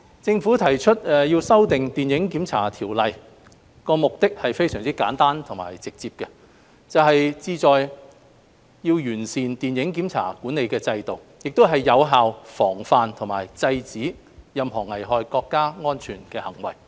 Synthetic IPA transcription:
t͡sɪ˧ŋfuː˨˥t̪ʰɐ˨˩jt͡ʃʰɵ˥t̚ɛ˨jiː˧wsɐ˥wt̪ɪ˨ŋt̪iː˨njɪ˨˥ŋkiː˨˥mt͡sʰa̰ː˨˩t̪ʰiː˨˩wlɐ˨j | kɔː˧mʊ˨k̚t̪ɪ˥k̚hɐ˨jfe˥jsœː˨˩ŋt͡siː˥ka̰ː˨˥nt̪aː˥nt̪ʰʊ˨˩ŋma̰ː˨˩jt͡sɪ˨k̚t͡siː˧p̚kɛ˧ | t͡sɐ˨wɦɐ˨jt͡siː˧t͡sɔː˨j | jiː˧wjyː˨˩nsiː˨nt̪iː˨˩njɪ˨˥ŋkiː˨˥mt͡sʰa̰ː˨˩kuː˨˥nːe˨˧jkɛː˧t͡sɐ˧jt̪o˨w | jɪ˨k̚t̪o˥ɦɐ˨jːɐ˨˧wɦaː˨wfɔː˨˩ŋfaː˨nt̪ʰʊ˨˩ŋma̰ː˨˩jt͡sɐ˧jt͡siː˨˥ | jɐ˨mɦɔː˨˩ŋɐ˨˩jɦɔː˨˧jkɔː˧kːaː˥ŋɔː˥nt͡ʃʰyː˨˩nkɛː˧hɐ˨˩ŋwɐ̰˨˩j

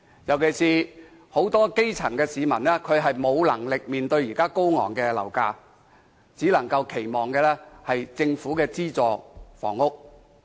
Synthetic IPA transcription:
jɐ˨˩wkʰe˨˩jsiː˧ | ho˨˥wt̪ɔː˥ke˥jt͡sʰɐ˨˩ŋkɛː˧siː˨˧mɐ˨˩nlɛː˥kʰɵ˨˧ɥɦɐ˨jmo˨˧wlɐ˨˩ŋlɪ˨k̚miː˨nt̪ɵ˧ɥjiː˨˩kaː˥ko˥wŋɔ̰ː˨˩ŋkɛː˧lɐ̰˨˩wkaː˧ | t͡siː˨˥lɐ˨˩ŋkɐ˧wkʰe˨˩jmɔː˨ŋkɛː˧lɛː˥hɐ˨jt͡sɪ˧ŋfuː˨˥kɛː˧t͡siː˥t͡sɔː˨˩fɔ̰ː˨˩ŋʊ˥k̚

